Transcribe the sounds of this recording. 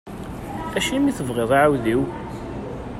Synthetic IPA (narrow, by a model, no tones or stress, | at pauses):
æʃimiθəvʁeðˤaʕawðiw